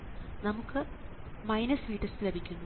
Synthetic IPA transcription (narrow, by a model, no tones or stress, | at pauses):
nɐmukːɨ | mɐjnɐsʋiːʈːɐslebʱikʲːunːu